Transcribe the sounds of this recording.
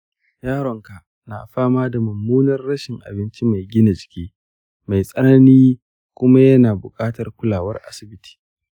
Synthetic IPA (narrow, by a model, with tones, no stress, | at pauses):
jaː˦ɽɔ˨ŋka˨ʔ | na̰˨ɸaː˦maː˦da˨mʊ˨mːuː˦nɐ˦rːɐ˦ʃɪ˨ŋʔa̰˨bɪ˦nt͡ʃi˦ma˨jɡʲɪ˦na˨d͡ʒɪ̥˨kʲiː˦ | ma˨jsʼɐ˦nɐ˦niː˦ | kʷʊ˦ma˦jɐ˦naː˨bʊ˨kʼaː˦tɐ˨rkʷʊ˦laː˨wɐ˦rʔa̰˦sɪ˨bɪ˦tʰi̥ː˨